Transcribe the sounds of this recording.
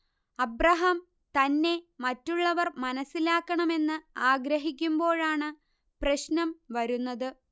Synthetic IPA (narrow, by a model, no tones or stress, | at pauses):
ɐbrɐɦɐm | t̪ɐnːe̞mɐtːuɭːɐʋɐrmɐnɐsːilaːkːɐɳɐme̞nːɨaːɡɾɐɦikʲːumbo̞ːɭaːɳɨ | prɐɕnɐmʋɐɾunːɐðɨ